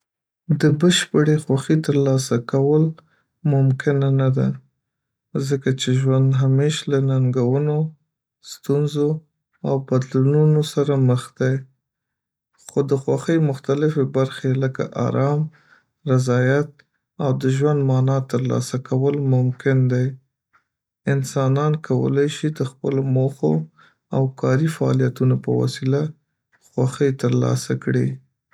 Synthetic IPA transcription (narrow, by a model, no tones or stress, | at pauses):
d̪əbəʃpəɽexwaxit̪əɾlɑsakawəl | mʊmkɪnanad̪a | zəkat͡ʃeʒwand̪ɦameʃlanaŋɡawəno | st̪unzo | awbad̪lununosaɾaməxd̪aj | xod̪əxwaxəjmʊxt̪alɪfebaɾxeləka̰ʔa̰ɾɑm | ɾazɑjat̪̚ | awd̪əʒwand̪mɑnɑt̪əɾlɑ̰sakawəlmʊmkɪnd̪aj | ɪnsɑnɑnkʰawə̰lajʃid̪əxpəlomoxo̰ | awkɑɾifaɑ̰lijat̪unopə̰wa̰sila | xwaxəjt̪əɾlɑ̰sakɽi